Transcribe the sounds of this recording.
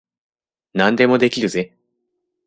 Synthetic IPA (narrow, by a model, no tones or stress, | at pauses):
nãnd̪e̞mo̞d̪e̞kʲiɾɯ̟ze